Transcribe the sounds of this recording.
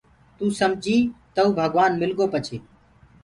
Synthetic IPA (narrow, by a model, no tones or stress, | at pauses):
t̪uːsəmd͡ʒʱiːt̪əuːbʱəɡʋaːnmɪlɡoːpət͡ʃʰeː